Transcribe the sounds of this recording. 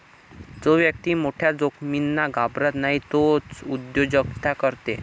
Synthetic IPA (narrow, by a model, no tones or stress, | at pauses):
d͡zoʋjək̚t̪iːmoʈʰjad͡zokʰminːaɡʱabɾət̪naɦit̪ot͡sud̪jod͡ʑəkt̪ʰakəɾt̪e